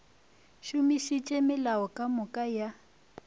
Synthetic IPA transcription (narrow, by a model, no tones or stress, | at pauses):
ʃumiʃit͡ʃʼɛmɪlawɔkʼamʊkʼaja